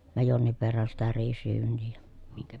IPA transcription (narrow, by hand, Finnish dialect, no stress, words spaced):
jɑ jonːiʋ ʋerːɑn sitæ riːsryːnˑiː jɑ miŋkæ